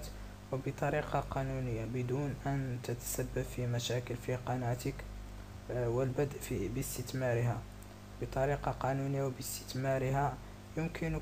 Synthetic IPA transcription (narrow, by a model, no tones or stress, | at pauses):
t̪ | wbət̪ˤɑɾiqɑqɑnunəjːabəd̪unʔənt̪ət̪ə̥sæbːəbfimæʃækəlfiqɑnæt̪ək | wəlbəd̪ʔfibəst̪ət̪mɑɾəhæ | bət̪ˤɑɾiqɑqɑnunəjːawbəst̪ə̥t̪mɑɾəɦæ | jʊmkən